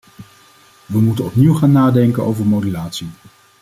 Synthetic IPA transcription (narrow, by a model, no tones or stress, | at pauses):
ʋəmutənɔpniwχaːnːaːdɛŋkəno̰wvəɹmowdylaːtsi